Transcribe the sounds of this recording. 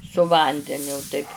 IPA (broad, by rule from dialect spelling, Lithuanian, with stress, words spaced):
sʊ ˈʋɐnʲdʲɛnʲʊ tɐɪp